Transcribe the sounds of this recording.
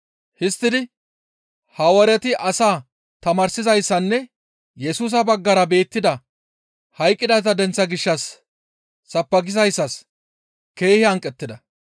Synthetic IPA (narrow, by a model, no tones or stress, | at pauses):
hɪst̪ːɪd̪ɪ | hɐwɐɾɛt̪ɪʔɐsaː | t̪ɐmɐːɾsɪzɐjsːɐnːɛ | jɛsuːs̬ɐbɐɡːɐɾɐbe̞ːt̪ːɪd̪ɐ | hɐjkʼːɪd̪ɐt̪ɐd̪ɛnt͡sːɐɡɪʃːɐsː | ɐpːɐɡɪzɐjsːɐs | ke̞ːhɪɐŋkʼɛt̪ːɪd̪ɐ